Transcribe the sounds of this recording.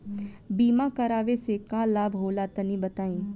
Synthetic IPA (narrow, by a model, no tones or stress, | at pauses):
biːmãkɐɾaːʋesekaːlaːbɦoːlat̪ənĩbɐt̪aːĩː